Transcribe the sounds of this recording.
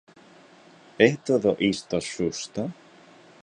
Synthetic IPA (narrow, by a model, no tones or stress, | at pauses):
eht̪aθawʔist̪asust̪a